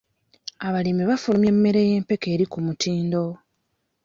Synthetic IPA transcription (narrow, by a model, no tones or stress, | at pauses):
aβalimiβafulumje̞mːe̞ɾe̞je̞ːmpe̞ke̞ːɾikumutiːndo̞